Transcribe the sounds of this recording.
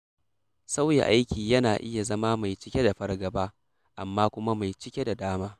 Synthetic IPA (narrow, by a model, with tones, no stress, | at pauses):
sa˦wja̰˨ʔa˦jkʲiː˨jɐ˦naː˨ʔɪ˦ja˨zɐ˦maː˦ma˨jt͡ʃɪ˦kʲe˦da˨ɸɐ˦rɡɐ˨baː˦ | ʔa˨mːaː˦kʷʊ˦ma˦ma˨jt͡ʃɪ˦kʲe˦da˨daː˦maː˦